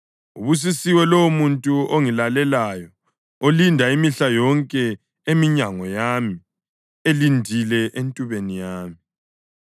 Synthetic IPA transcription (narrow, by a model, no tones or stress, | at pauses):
uβus̬isiwɛloumuntʼuoŋilalɛlajɔ | olindʱaimiɬajɔŋkʼɛ | emiɲaŋɔjami | elindʱilɛʔentʼuβenijaːmi